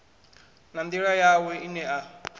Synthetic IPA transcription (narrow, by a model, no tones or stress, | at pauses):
nand̪iɺajawɛinɛʔa